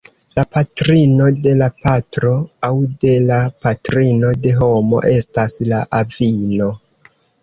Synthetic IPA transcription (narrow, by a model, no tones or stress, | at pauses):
lapatɾino̞de̞lapatɾo̞awde̞lapatɾino̞de̞ɦo̞mo̞̰ʔe̞staslaʔavino̞